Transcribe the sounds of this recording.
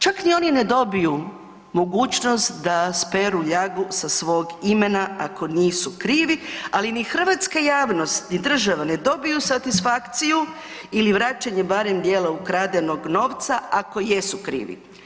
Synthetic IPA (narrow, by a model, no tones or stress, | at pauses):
t͡ʃaknio̞ːnine̞d̪o̞biju | mo̞ɡuːt͡ʃno̞st̪d̪aspeɾuʎaɡusasʋo̞ːɡime̞naako̞niːsukɾiːʋialinixr̩ʋat̪skajaːʋno̞st̪nid̪r̩ʒaʋane̞d̪o̞bijusat̪isfakt̪siju | iliʋɾaːt͡ʃaɲebaɾe̞md̪jeːlaukɾaːd̪eno̞ɡno̞ːʋt̪saako̞je̞sukɾḭːʋḭ